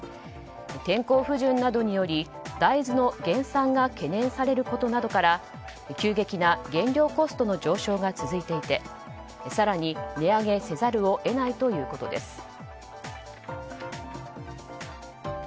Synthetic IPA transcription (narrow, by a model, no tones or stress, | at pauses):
t̪ẽ̞ŋko̞ːɸɯ̟ʑɨ̃nːad̪o̞ɲ̟ijo̞ɾʲi | d̪aizɨno̞ɡẽ̞ɰ̃sãŋɡake̞nẽ̞ɰ̃saɾe̞ɾɯ̟ko̞t̪o̞nad̪o̞kaɾa | kʲɨːɡe̞kʲinaɡẽ̞ɲɾʲo̞ːko̞sɨ̥t̪o̞no̞d͡ʑo̞ːɕo̞ːɡat͡sɨzɨit̪e̞it̪e̞ | saɾaɲ̟ine̞aɡe̞se̞zaɾɯ̟o̞ʔe̞nait̪o̞jɯ̟ːko̞t̪o̞d̪e̞sɨ̥